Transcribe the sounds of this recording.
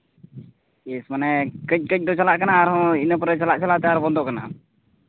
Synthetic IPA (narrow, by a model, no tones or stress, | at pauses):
esmanɛkət͡ʃ̚kət͡ʃ̚d̪ɔt͡ʃalaʔkɐnaːɾɦɔ̃inɛp̬ɔɾɛt͡ʃɐlaʔt͡ʃalat̪ɛaɾbɔnd̪ɔʔkana̰